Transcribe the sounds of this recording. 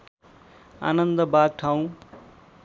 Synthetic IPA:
a̰ːnənd̪əbaːɡ̚ʈʰaũ

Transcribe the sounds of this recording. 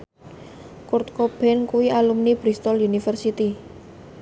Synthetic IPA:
kʊrt̪̚kob̥ɛnkuwialumnib̥ɾist̪ɔlunifərsit̪i

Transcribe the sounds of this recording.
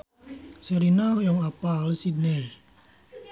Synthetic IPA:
sɛɾinawjɔŋapalsid̪nɛl

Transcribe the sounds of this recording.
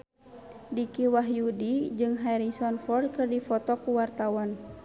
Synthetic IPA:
dikiwaɦjudid͡ʒɨŋɦaɾiŋsɔnfɔrd̚kɨrdifɔt̪ɔkuwart̪awan

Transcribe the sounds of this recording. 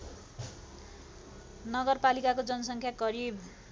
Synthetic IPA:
nʌɡʌrpalikakod͡zʌnʌsʌŋkʰjaɡʌɾib

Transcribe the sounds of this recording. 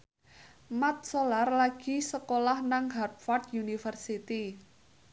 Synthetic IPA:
mat̪̚solarlaɡ̥i̤səkolahnaŋɦart̪fɔrt̪junifərsit̪i

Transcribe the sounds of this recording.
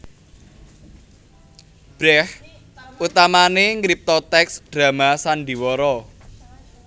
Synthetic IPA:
b̥ɾɛh | ut̪amaneŋɾip̚t̪ɔt̪ɛksd̥ɾä̤masand̪i̤wɔɾɔ

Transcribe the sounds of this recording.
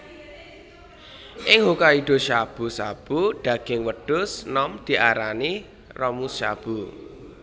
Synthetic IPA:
ʔɪŋɦukaiɖ̪̥o̤ʃab̥ṳsab̥uɖ̥ä̤ɡ̥ɪŋwəɖ̥ʊsnɔmd̪̥i̤ʔaɾani | rɔmusʃa̰b̥u

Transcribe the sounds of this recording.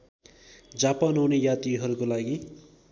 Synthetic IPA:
d͡zapanɦunejat̪iɦʌɾukolaɡi

